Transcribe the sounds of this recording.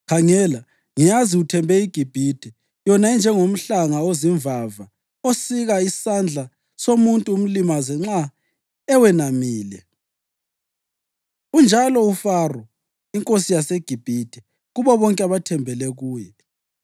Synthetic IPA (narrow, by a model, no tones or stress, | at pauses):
kʰaŋɛla | ŋijaziutʰɛmbʱɛiɡ̥ʱib̥ʱid̥ʱɛ | jɔnaɛnd͡ʒʱɛŋom̩ɬaŋaoziɱvava | osiɣaisand͡ɮʱa | somuntʼuːm̩limazɛŋ͡ǁa | ɛwɛnamiːlɛ | und͡ʒʱalɔufarɔ | iŋkʼosijaseɡ̥ʱib̥ʱid̥ʱɛ | ɣuβɔβɔŋkʼɛaβatʰɛmbʱɛlɛɣuːjɛ